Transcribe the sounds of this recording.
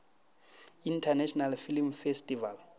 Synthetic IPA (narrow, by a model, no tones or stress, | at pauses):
intʰanɛʃʰɔnalfilmfestʼival